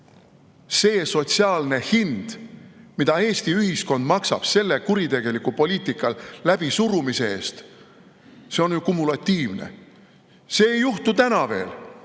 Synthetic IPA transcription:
se̞ːso̞t̪ʲsiɑːlne̞hind̪̥mid̪ɑe̞ːst̪iyhisko̞nd̪mɑksɑ̰b̥se̞lːe̞kuɾit̪e̞ɡ̥e̞likupo̞lʲiːt̪ˑikːˑɑllæb̥isuɾumise̞e̞ːst̪ | se̞o̞njukumːulɑt̪ːˑiːvnḛ | se̞ːjːuht̪ut̪ænɑve̞ːl

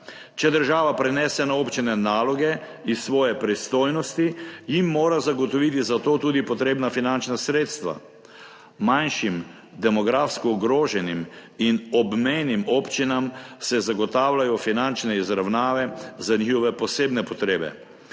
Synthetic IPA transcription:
t͡ʃɛd̪əɾʒaːʋapɾɛnɛːsɛnaoːpt͡ʃinɛnaːlɔɡɛ | isʋɔːjɛpɾist̪oːjnɔst̪ijimːoːɾazaɡɔt̪ɔʋit̪̬izat̪oːt̪uːd̪ipɔt̪ɾeːbnafinant͡ʃnasɾeːt̪st̪ʋa̰ | manʃim | d̪ɛmɔɡɾaːfskɔuɡɾoːʒɛniminɔbmejnimɔpt͡ʃinamsɛzaɡɔt̪aːwlajɔfinant͡ʃnɛizɾawnaːʋɛzanixɔʋɛpɔseːbnɛpɔt̪ɾeːbɛ̰

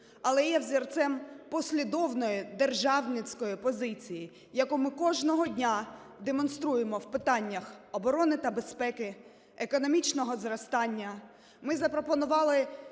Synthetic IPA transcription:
ɐlˠɛjɛwzʲirt̪sɛmpɔsʲlʲid̪ɔwnɔjid̪erʒɑwnɪt͡sʲkɔjipɔzɪt͡sʲiji | jɐkumɪkɔʒnɔɦɔdʲnʲa | d̪emɔnst̪ɾujemɔwpɪt̪ɑnʲːɐxɔbɔɾɔnɪt̪ɐbe̞spɛkɪ | ekɔnɔmʲit͡ʃnɔɦɔzrɐst̪ɑnʲːɐ | mɪzɐpɾɔpɔnʊʋɑlˠɪ

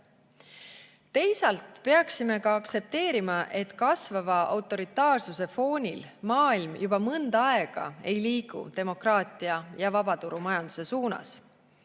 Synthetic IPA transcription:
t̪e̞jsɑlt̪pe̞ɑksime̞kɑɑktse̞p̚t̪e̞ːɾimɑʔe̞t̪kɑsvɑvɑɑ̰wt̪ːˑo̞ɾit̪ːˑɑːrsuse̞fo̞ːnʲilmɑːilmjubɑmɤnd̪̥ɑe̞ɡ̥ɑ̰e̞jliːɡ̥ṵt̪e̞mo̞krɑːt̪iɑjɑvɑb̥ɑt̪uɾumɑjɑnd̪̥use̞suːnɑ̰s

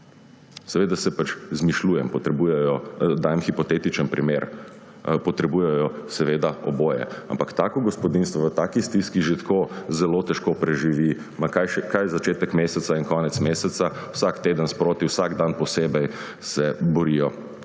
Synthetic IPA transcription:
sɛʋeːd̪asɛpat͡ʃzmiʃluːjɛmpɔt̪ɾɛbuːjɛjɔd̪aːjɛmxipɔt̪eːt̪it͡ʃənpɾimeːɾ | pɔt̪ɾɛbuːjɛjɔsɛʋeːd̪aɔboːjɛ̰a̰mpakt̪aːkɔɡɔspɔd̪inst̪ʋɔʋət̪aːkist̪iskiʒet̪kʰoːzɛloːt̪ɛʃkoːpɾɛʒiʋi | makajʃɛkajzat͡ʃeːt̪əkmeːsɛt̪sainkɔːnɛt̪smeːsɛt̪sauwsakt̪eːd̪ənspɾoːt̪iwsaɡd̪anpɔseːbɛj | sɛbɔɾijɔ

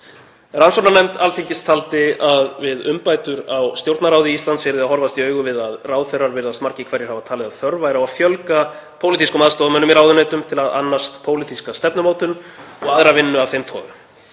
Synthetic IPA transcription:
ransɔnanɛmt̪alt̪ʰiɲcɪst̪ʰalt̪ɪaðvɪðʏmpaːjt̪ʏɾawst̪jowɾt̪naɾaːwðɪist̪lant̪svɛɾðɪaðɦɔɾvast̪iœːɥɣʏvɪðaðraːwθejrːaɾvɪɾðast̪maɾ̥cɪkʰvɛɾjɛɾhavat̪ʰaːlɪðaθœɾvajɾawafjœlkapʰoːwlit̪iskʏmaðst̪ɔːðmɛnʏmiɾawðʏneːjt̪ʏmt̪ʰɪlaða̰nːast̪pʰoːwlɪt̪ʰiskast̪ɛpnʏmoːwt̪ʏnɔɣaðɾavɪnːʏavθejmt̪ʰɔ̰ːvʏm

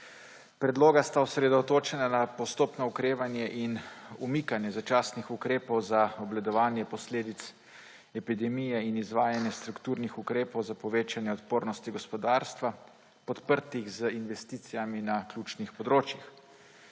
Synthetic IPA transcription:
pɾɛd̪loːɡast̪aɔsɾɛd̪ɔt̪oːt͡ʃɛnanapɔst̪oːpnɔukɾeːʋanjɛʔinumikanjɛzat͡ʃaːsnixukɾeːpɔwzaɔblad̪ɔʋaːnjɛpɔsleːd̪it̪s | ɛpid̪ɛmijɛinizʋaːjanjɛst̪ɾukt̪uːɾnixukɾeːpɔwzapɔʋeːt͡ʃanjɛɔt̪poːɾnɔst̪iɡɔspɔd̪aːɾst̪ʋa | pɔt̪pəɾt̪iɣzəinʋɛst̪iːt̪sijaminaklʲuːt͡ʃnixpɔd̪ɾoːt͡ʃjix

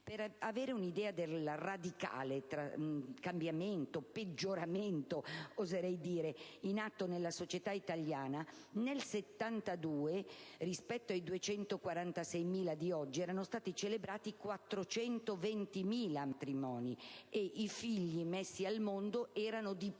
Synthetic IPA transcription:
peɾaveːɾeunid̪ɛːad̪elrad̪ika̰ːlet̪ɾakambjament̪oped͡ʒːoɾament̪oozeɾɛjd̪iːɾeinat̪ːonelːasot͡ʃet̪ait̪aljaːna | nelset̪ːant̪ad̪uːerispɛt̪ːoajd̪uet͡ʃɛnt̪okwaɾant̪asɛjmiːlad̪iɔd͡ʒːiɛːɾanost̪aːt̪it͡ʃelebɾaːt̪ikwat̪ːɾot͡ʃɛnt̪ovent̪imiːlamat̪ɾimɔːnieʔifiʎːimesːialmond̪oʔɛːɾanod̪i

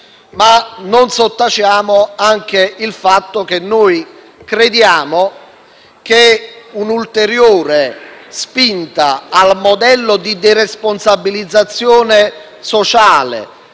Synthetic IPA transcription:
manonsot̪ːat͡ʃaːmoaŋk̟eilfat̪ːok̟enːoːj | kɾed̪jaːmo | k̟eunult̪eɾjoːɾespint̪aːlmod̪ɛlːod̪id̪iresponsabːilid̪zːat̪sːjoːne | sot͡ʃaːlḛ

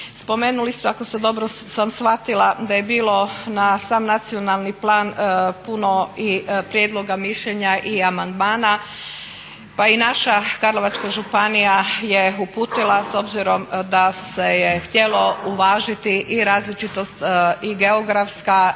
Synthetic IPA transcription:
spo̞me̞ːnulist̪eako̞sed̪o̞bɾo | samsxʋat̪ilˠad̪aje̞biːlˠo̞nasaːmnat̪sio̞nalˠniplˠaːnpuno̞ipɾjed̪lˠo̞ɡamiʃʎeɲaʔiamand̪maːna | painaʃakaɾlo̞ʋat͡ʃkaʒupanijaje̞upuːt̪ilˠaso̞bziɾo̞md̪ase̞jext̪je̞lo̞uʋaːʒit̪iʔːɾaːzlit͡ʃit̪o̞st̪iɡe̞oɡɾafska

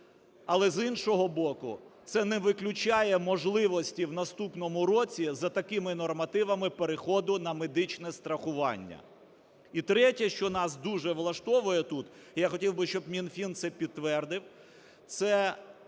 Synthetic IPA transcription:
ɐlˠɛzinʃɔɦɔbɔkʊ̰t̪sɛnɛʋɪklʲʊt͡ʃɑjɛmɔʒlˠɪʋɔsʲtʲiwnɐst̪upnɔmʊɾɔt͡sʲizɐt̪ɐkɪmɪnɔrmɐt̪ɪʋɐmɪpeɾexɔd̪ʊnɐmed̪ɪt͡ʃnɛst̪ɾɐxʊʋɑ̰nʲːɐ̰ | it̪ɾɛtʲɐʃt͡ʃɔnɑsd̪uʒɛʋlˠɐʃt̪ɔʋʊjɛt̪ut̪jaxɔtʲiwbɪʃt͡ʃɔbmʲinfʲint̪sɛpʲid̪̚t̪ːʋɛrd̪ɪw | t̪sɛ

